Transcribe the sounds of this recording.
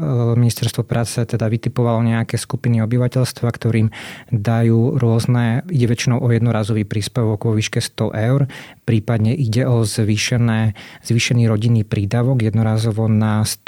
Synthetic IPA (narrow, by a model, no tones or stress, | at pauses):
minist̪ɛɾst̪ʋɔpɾʔaːt͡sɛt̪ɛd̪aʋit̪ipɔʋalɔɲɛakɛːskupiniɔbiʋacɛʎst̪ʋakt̪ɔɾiːmd̪ajuːɾʊɔznɛiɟɛʋɛt͡ʃinɔʊʔɔjɛd̪nɔɾaːzɔʋiːpɾiːspɛʋɔɡʋɔʋiːʃkɛst̪ɔʔɛʊɾpɾiːpad̪ɲɛʔiɟɛɔzʋiːʃɛnɛz̥ʋiːʃɛniːɾɔɟinːiːpɾiːd̪aːʋɔɡjɛd̪nɔɾaːzɔʋɔnas